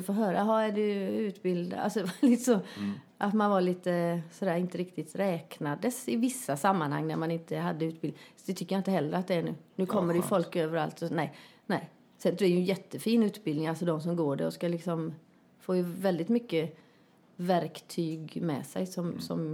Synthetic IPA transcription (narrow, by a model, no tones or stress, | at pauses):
foːɦøːɾaɦɑæɖɵʉ̟ːt̪bɪld̪a̰lsɔd̪ɛvaliːt̪əsɔ | ʔat̪manvaɭiːt̪əsɔd̪æːɾɪnt̪əɾɪkt̪ɪt̪ɾɛːknad̪əsɪvɪsːasamːanha̰ŋːnæ̰ɾmanɪnt̪əɦad̪ːəʉt̪̚bɪlɪd̪ɛt̪ʏkːjaɪnt̪əhɛlːɾəat̪̚d̪ɛæɳʉ̟̰ːnʉ̟ːkʰɔmːəɖɛjɵfɔlkøːvəɾa̰lt̪ɔnɛɪnɛɪ | sɛnd̪ɛjɵnjɛt̪ːəfiːnʉ̟ːt̪bɪlnɪŋalsɔd̪ɔmsɔmɡoːɖæ̰ɔskalɪksɔm | foːjɵvɛld̪ɪt̪mʏkːə | væɾkt̪ʰyːɡmɛ̰sɛ̰jsɔmsɔ̰m